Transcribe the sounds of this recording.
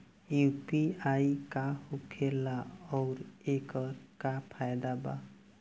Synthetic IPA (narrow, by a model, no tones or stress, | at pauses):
jupiajkahukʰelaɔwɾekɔɾkapʰajd̪aba̰